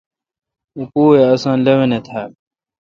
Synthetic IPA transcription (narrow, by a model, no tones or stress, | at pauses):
upuːeɐsãːnlɐwenet̪ʰaː